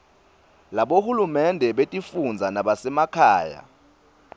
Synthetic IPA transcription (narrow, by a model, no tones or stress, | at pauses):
laɓohulumɛndʱɛɓetʼifund͡zʱanaɓasɛmakʰaːja̰